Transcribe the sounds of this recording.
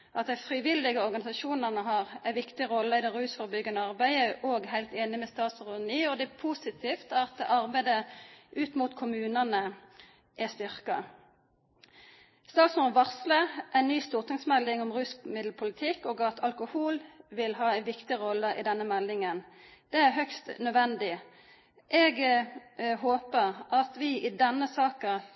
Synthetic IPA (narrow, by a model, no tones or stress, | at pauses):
ʔɑt̪̚d̪æɪfʁiʋɪlːɪɡəɔʁɡɑnɪsɑʃuːnəʁnəɦɑːʁæɪʋɪkt̪ɪʁɔlːəɪd̪ɛʁʉːsfɔʁbʏɡːənəɑʁbæɪəʔoːɡhæɪlt̪eːnɪmɛst̪ɑːt̪sʁʉnyːɔd̪ɛpʰusɪt̪ʰiːft̪ɑt̪̚əʔɑʁbæɪd̪əʔʉːt̪muːt̪kʰʊmʉːnənə | ʔæst̪ʏʁkɑ | st̪ɑːk̪smuʋɑʁsləʔæɪnnyːst̪uːʁt̪ʰɪŋsmɛlːɪŋɔmʁʉsmɪd̪l̩pʰʊlɪt̪ʰɪkːoːɡɑt̪ʰɑlkʊhuːlʋɪlɦɑːæɪʋɪkt̪ɪʁɔlːəɪ̰d̪ɛnːəmɛlːɪŋənd̪̥ɛæʁɦœkst̪nœd̪ʋɛnd̪ɪ | ʔɛɡ | ɦoːpəʁɑt̪ʋɪʔɪd̪ɛnːəsɑːkə